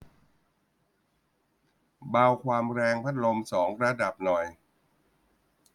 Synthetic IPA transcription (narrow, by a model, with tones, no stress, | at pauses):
baː˧wkʰwaː˧mɾɛː˧ŋpʰa˦˥t̪̚lo˧msɔː˩˦ŋɾa˧da˨˩p̚nɔ˨˩j